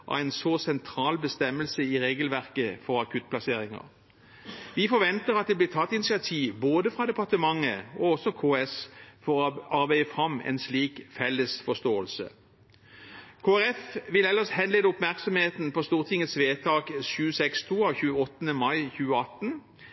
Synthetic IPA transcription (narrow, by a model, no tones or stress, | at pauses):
ʔɑ̰ɛɪnsɔsɛnt̪ʰɾɑːlbəst̪ɛmːəlsəɪʁeːɡəlʋæʁkəfɔʁɑkʰʉt̪̚pʰlɑseːʁɪŋə̰ʁ | ʋɪfɔʁʋɛnt̪əʁɑt̪̚d̪ɛblɪːt̪ʰɑt̪ːɪnɪsɪɑt̪ʰiːʋboːd̪əfʁɑd̪ɛpɑʁt̪əmɑŋːəɔɔsɔkʰoːɛsfɔʁɔɑʁbæɪəfʁɑmɛ̰nsliːkfɛlːəsfɔst̪oːəlsə̰ | kʰoːæʁɛfʋɪlɛləshɛnleːd̪əʊpmæʁksɔmheːt̪n̩pʰɔst̪uːʁt̪ʰɪŋːət̪sʋeːt̪ʰɑːkʃʉːəsɛkst̪ʰuːɑçʉːəɔt̪ːənəmɑɪçʉːəɑt̪n